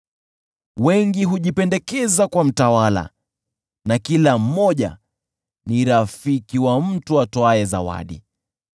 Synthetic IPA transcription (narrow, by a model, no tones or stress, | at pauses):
wɛŋɡiɦuʄipɛndɛkɛzakwam̩tawala̰ | nakilam̩mːɔʄa̰ | niɾafikiwam̩tuatɔaɛza̰wa̰ɗḭ